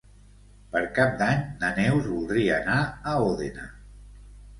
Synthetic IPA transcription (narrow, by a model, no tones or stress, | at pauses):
pəɾkap̚d̪aɲnənɛwzβulˠd̪ɾiəːnaəoðena